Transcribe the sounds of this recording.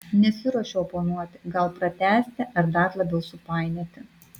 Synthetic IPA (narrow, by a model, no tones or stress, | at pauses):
nʲɛsʲɪɾoɔʃʲɛopoːnuɔt̪ʲɪ̥ɡɐlˠpɾɐt̪ʲæːsʲt̪ʲɛʔɐɾd̪ɐɾlˠɐbʲɛʊsʊpɑɪnʲet̪ʲɪ